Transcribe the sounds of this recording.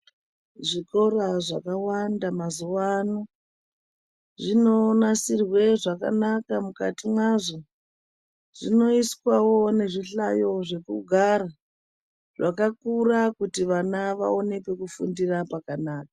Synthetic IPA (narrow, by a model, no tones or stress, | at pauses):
ʐiko̞raʐa̰kawandamazuwano | ʐino̞nasirwe̞ʐaka̰nakamuka̰timwaʐo | ʐ̥ino̞iswawone̞ʐiɬajo̞ʐe̞kṵɡʱaɾa | ʐ̥akakurakutiʋanaʋa̰o̞ne̞kwe̞kufṵndirapakanaːk̚a